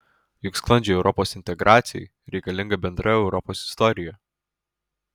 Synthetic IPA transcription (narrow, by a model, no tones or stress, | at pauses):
jʊksklˠɐnʲd͡ʒʲɛɛʊɾʔɔpoːsɪnʲt̪ʲɛɡɾʔaːt̪sʲɪjɛ̰ɪ | ɾʲɛɪkɐlʲɪŋɡɐbʲɛnd̪ɾɐɛʊɾɔpoːsɪ̥st̪ɔɾʲɪjɛ